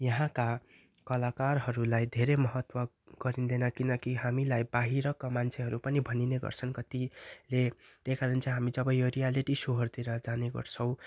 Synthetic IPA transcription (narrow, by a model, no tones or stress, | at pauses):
jʌɦãka | kʌlakarɦʌɾulajd̪ʱeɾemʌɦʌt̪wʌ | ɡ̥ʌɾind̪enʌkinʌkiɦamilajbaɦiɾʌkamant͡sʰeɦʌɾupʌnibʱʌnineɡʌ̰rt͡sʰʌnkʌt̪ilet̪ekaɾʌnt͡sãɦamid͡zʌbʌjoɾijaliʈisuɦʌrd̪iɾʌd͡zaneɡʌ̰rt͡sʰʌw̃